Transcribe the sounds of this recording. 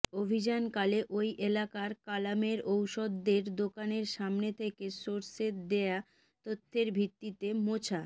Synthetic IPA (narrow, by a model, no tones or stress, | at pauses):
obʱid͡ʑankaleʔojʔelakaɾkalameɾowʃod̪ːeɾd̪okaneɾʃamnet̪ʰekesoɾset̪d̪eja | t̪ot̪ʰːeɾbʱit̪ːit̪emot͡ɕʰa